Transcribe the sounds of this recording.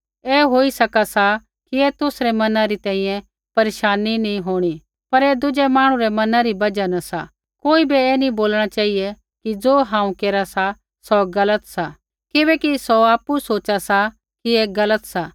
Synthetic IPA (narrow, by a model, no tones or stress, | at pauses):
ɛːɦoːisɐkasa | kiɛt̪ʊsɾɛmɐnãɾit̪ɛ̃ːĩjɛ̃ | pɐɾeːʃaːninĩɦoːɽ̃i | pɐɾɛd̪ʊd͡ʒɛmaːɽ̃ũɾɛmɐnãɾibɐd͡ʒanɐsa | koːibiɛːnĩboːlɽ̃at͡ʃaːɦiɛ | kid͡zoːɦãːũkeːɾasa | sɔɡɐlət̪sa | kɪbɛkisɔaːpusoːt͡ʃasa | kiɛɡɐlət̪saː